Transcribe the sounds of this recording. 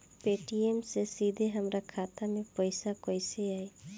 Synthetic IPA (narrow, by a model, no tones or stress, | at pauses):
peʈiemsesid̪ʱeɦəmɾakʰat̪amepəjsakojseaj